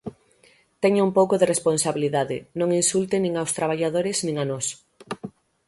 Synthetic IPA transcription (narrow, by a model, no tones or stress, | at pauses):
t̪ɛɲʊumpowkoðeresponsaβiliðaðɪnõŋinsult̪ɪnĩŋawst̪ɾaβaʎaðoɾɪznĩŋanos